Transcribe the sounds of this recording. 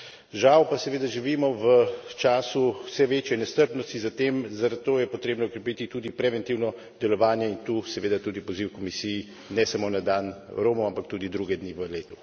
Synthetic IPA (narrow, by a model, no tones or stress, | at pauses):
ʒawpasɛʋeːd̪aʒiʋiːmɔʋət͡ʃaːsuwsɛʋeːt͡ʃjɛnɛst̪əɾpnɔst̪izat̪eːmzaɾat̪̚t̪oːjɛpɔt̪ɾeːbnɔukɾɛpiːt̪it̪uːd̪ipɾɛʋɛnt̪iwnɔ | d̪ɛlɔʋaːnjɛint̪uːsɛʋeːd̪at̪uːd̪ipɔziwkɔmisijː | nɛsamonad̪anɾoːmuampakt̪uːd̪id̪ɾuːɡɛd̪niʋəleːt̪u